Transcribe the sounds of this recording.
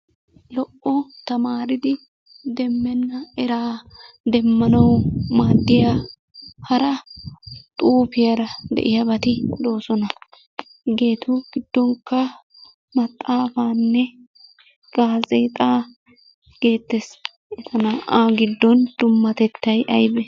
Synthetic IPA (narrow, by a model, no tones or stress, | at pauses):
lɔʔːɔt̪ɐmaːɾɪd̪ɪ | d̪ɛmːɛnːɐɛɾaː | d̪ɛmːɐnɐwmaːd̪ːɪja | hɐɾɐ | t̪ʼuːfɪjɐɾɐd̪ɛ̰ʔɪjɐbɐt̪ɪd̪o̞ːsɔnɐ | ɡe̞ːt̪ʰʊɡ̥ɪd̪̥ːɔŋkːɐ | mɐt̪ʼːaːfaːnːɛ | ɡaːzeːt̪ʼaː | ɡ̥e̞ːt̪ːɛs | ɛt̪ɐnaʔaːɡɪd̪ːɔnd̪̥ʊmːɐt̪ɛt̪ːɐjʔɐjbɛ